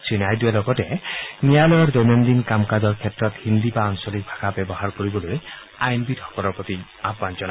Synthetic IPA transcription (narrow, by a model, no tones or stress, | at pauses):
sinajd̪ualɔkɔtɛnijalɔjɔɹd̪ɔjnɔnd̪inkamkad͡ʒɔɹkʰɛtɹɔt̪hind̪ibaaŋsɔlik̚bʱaɡʰabebɔɦaɹkoɾibɔloj | ajnbidhɔ̥kɔlɔɹpɔt̪i | abbant͡ʃɔna